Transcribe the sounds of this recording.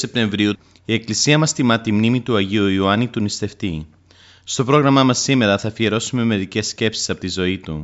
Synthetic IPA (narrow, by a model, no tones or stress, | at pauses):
e̞p̚t̪e̞ɱvɾiu | ie̞klisiɐmɐst̪imɐt̪imnimit̪uɐʝiuiuɐnit̪unist̪e̞ft̪i | st̪o̞pɾo̞ɣɾɐmɐmɐsːime̞ɾɐθɐfieɾo̞sume̞me̞ðice̞sce̞psi̥sɐpo̞t̪izo̞it̪u